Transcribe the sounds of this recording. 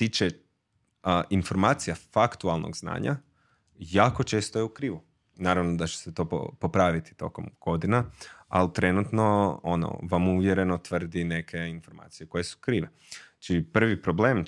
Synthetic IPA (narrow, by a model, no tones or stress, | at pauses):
t̪iːt͡ʃe | ʔinfo̞ɾmaːt̪sijafakt̪ualˠno̰ɡzna̰ːɲa̰ | jaːkot͡ʃe̞ːst̪ojeukɾiːʋu | naːɾaʋnod̪at͡ʃe̥set̪o̞ːppo̞pɾaʋit̪i̥t̪o̞̰komɡ̥o̞d̪inaa̰lt̪ɾe̞nut̪no̞ono̰ʋamuʋjeɾe̞no̞t̪ʋr̩d̪ine̞kʰe̞info̞ɾma̰ːt̪sijeko̞je̞su̥kɾiːʋe | t͡ʃipr̩ʋipɾo̞bleːm